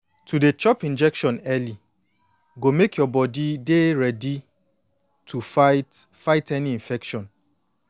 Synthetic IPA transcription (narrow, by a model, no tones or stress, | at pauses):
tʰudet͡ʃɔpĩnd͡ʒɛkʃɔ̃nɛli | ɡomekjɔbɔdideɹɛdi | tʰu | faɪtɛniĩɱfɛkʃɔ̃n